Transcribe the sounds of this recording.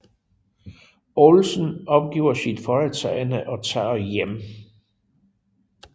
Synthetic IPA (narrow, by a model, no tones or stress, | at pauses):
olsnɒ̽b̥̚ɡ̥ḭːʊ̰ɐsid̥fɒet͡sʰɛɪnəʔɒ̽t͡sʰɑ̰̈ːjem